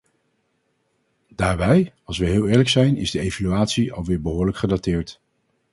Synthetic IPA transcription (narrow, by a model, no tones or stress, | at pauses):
daːɹbɛjɑlˠs̬ʋəɦɪːlˠɪːɹləksɛjnʔɪ̰zdəejvalyaːtsiʔɑ̰lˠʋɪːɹbəɦʊːɹləkχədatɪːɹt